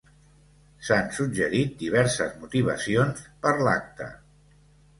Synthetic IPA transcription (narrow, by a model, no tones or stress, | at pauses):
sansud͡ʒəɾit̪̚d̪iβ̞ɛɾsəzmut̪iβ̞ə̰sionspəɾla̰k̚t̪ə̰